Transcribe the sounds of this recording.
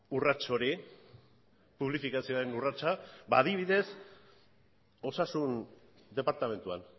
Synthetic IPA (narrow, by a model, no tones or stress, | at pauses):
urat͡ʃo̞ɾi | puβ̞lifikasioaɾe̞nurat͡ʃabaːðiβiðe̞s | o̞sasun | d̪e̞paɾt̪ame̞nt̪ua̰n